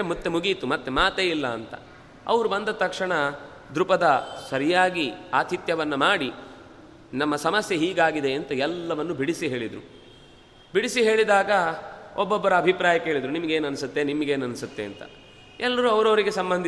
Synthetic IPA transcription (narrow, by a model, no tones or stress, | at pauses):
mut̪ːemuɡit̪umɐt̪ːemaːt̪eilːɐːnt̪ɐ̰ | ɐ̰ʋɐɾubɐnd̪ɐt̪ɐkʂɐɳɐ | d̪ɾupɐd̪ɐsɐɾijaːɡiaːt̪ʰit̪jɐʋɐnːɐmaːɽi | nɐmːɐsɐmɐsjɐɦiːɡaːɡid̪eːnt̪ɐɛlːɐʋɐnːubiɽisiɦe̞ːɭid̪ɾu | biɽisiɦe̞ːɭid̪aːɡɐɔbːɔbːɐɾɐːbʱipɾaːjɐkeɦeːɭid̪ɾunimɐɡeːnɐnisut̪ːe̞nimɐɡeːnɐnisut̪ːe̞ɐ̰nt̪ɐ̰ | ɛlːɐɾuɐʋɐɾɐːɾiɡe̞sɐmbɐnd̪